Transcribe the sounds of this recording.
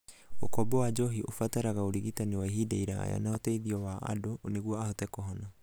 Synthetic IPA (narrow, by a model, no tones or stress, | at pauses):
okɔbɛwad͡ʒɔɦiʔofataɾaɣaoɾiɣitaniwaiɦidaiɾaɣa̰ja̰nahɔtɛiðiɔwaʔa̰dooneɣuɔahɔtɛkɔɦɔna